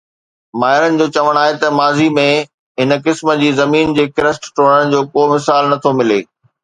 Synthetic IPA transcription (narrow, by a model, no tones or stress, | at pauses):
maːɦɪɾənɪ̆d͡ʑoːt͡ɕɐʋəɽ̃aːɦet̪ɐmaːzimẽ | ɦɪnkɪsmə̆d͡ʑiːzɐmiːnd͡ʑeːkɪɾəsʈʈʰoːɽəɽ̃̆d͡ʑoːkoːmɪsaːlnɐt̪ʰomɪlḛː